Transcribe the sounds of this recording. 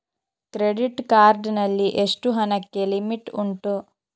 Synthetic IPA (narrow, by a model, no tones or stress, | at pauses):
kɾeɖiʈkaːɾɖnɐlːiʔeʂʈuɦɐnɐkːe̞limiʈuɳʈu